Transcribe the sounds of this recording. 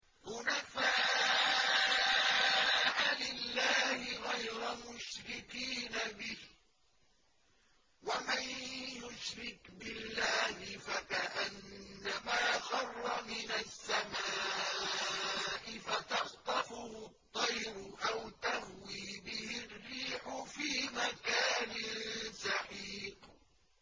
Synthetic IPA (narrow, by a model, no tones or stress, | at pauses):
hʊnafaː | ʕalɪlːaːhɪɣajɾamʊʃɾɪkiːnabɪh | wamanjʊʃɾɪkbɪlːaːhɪfakaʔanːamaːxɑrˤːɑmɪnasːama | ʔɪfat̪ɑxt̪ˤɑfʊhʊt̪ˤːɑjɾʊʔawt̪ahwiːbɪhɪrːiːħʊfiːmakaːnɪnsɑħiːq